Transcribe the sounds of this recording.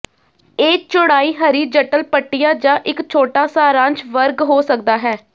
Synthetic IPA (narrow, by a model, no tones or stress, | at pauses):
eːt͡ʃʊɽaːiːɦəɾiːd͡ʒəʈəlpəʈːɪjaːd͡ʒãːʔɪkt͡ʃʰoːʈaːsaːɾãːɲt͡ʃʋəɾɡɦoːsək̚d̪aːɦɛː